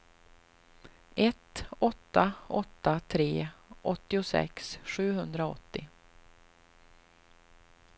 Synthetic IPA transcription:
ɛt̪ɔt̪ːaʔɔt̪ːat̪ʰɾeːʔɔt̪ːɪʊsɛ̰ksɧʉ̟ːɦɵnd̪ɾaɔ̰t̪ːɪ

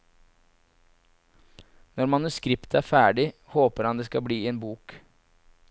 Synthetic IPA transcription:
nɔɾmɑnʉskɾɪpt̪əæːɾfæːɖɪhoːpəɾhɑnd̪eːskɑbliːeːnbuːk

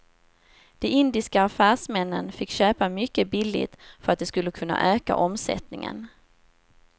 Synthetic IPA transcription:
d̪̥ɛɪnd̪ɪskaːfæːʂmɛnːənfɪkːɕøːpamʏkːəbɪlːɪ̰t̪fœɾat̪̚d̪ɛskɵlːəkʰɵnːa̰ʔøːka̰ʔɔmsɛ̰t̪nɪŋə̰n

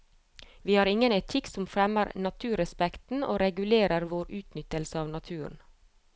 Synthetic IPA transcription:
ʋiːhɑːɾɪŋənɛt̪ʰɪksɔmfɾɛməɾnɑt̪ʰʉːɾɛspɛkt̪n̩ʔo̰ːɾɛɡʉleːɾəɾʋoːɾʉːt̪nʏt̪əlsəɑːʋnɑt̪ʰʉːɾɳ̩

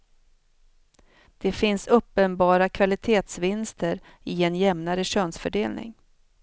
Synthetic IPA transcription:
d̪̥ɛfɪnsɵpːənbɑːɾakʰvalɪt̪ʰeːt̪svɪnst̪əɾ | ɪɛnjɛmnaɾəɕøːnsfœɖeːlnɪ̰ŋ

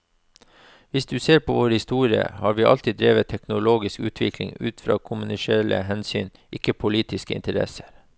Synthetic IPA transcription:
ʋɪsd̪ʉːseːɾpʰoːʋoːɾhɪst̪uːɾɪə̰hɑːɾʋiːʔɑlt̪ɪd̪ɾeːʋət̪ʰɛknʊloːɡɪskʉ̰ːt̪ʰʋɪkʰlɪ̰ŋʉ̰ːt̪fɾɑ̰ːkʰʊmʉnɪʃeːɭə̰ɦɛnsy̰ːn | ʔɪkəpʰʊliːt̪ʰɪskəɪ̰nt̪əɾɛ̰sə̥ɾ

